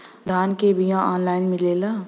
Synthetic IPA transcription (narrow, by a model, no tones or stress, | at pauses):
d̪ʱaːnkebʱijãɔːnlaːɪnmɪleːla